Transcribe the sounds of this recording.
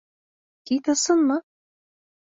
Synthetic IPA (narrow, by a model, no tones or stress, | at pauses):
t̪it̪ɤ̆sɤ̆nmɤ